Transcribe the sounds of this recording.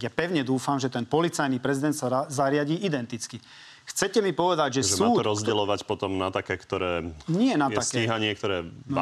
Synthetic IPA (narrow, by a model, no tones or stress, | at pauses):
japɛʊɲɛd̪uːfamʒɛt̪ɛnpɔlit͡sajnipɾɛzid̪ɛnt̪saazaɾɪaɟiːʔid̪ɛnt̪it͡ski | xt͡sɛcɛmipɔʋɛd̪aɟʒɛsuːɾɔzɟɛlɔʋacpɔt̪ɔmnat̪akɛkt̪ɔɾɛːɲɪɛnat̪akiːɦaɲɪɛk̚t̪ɔɾɛː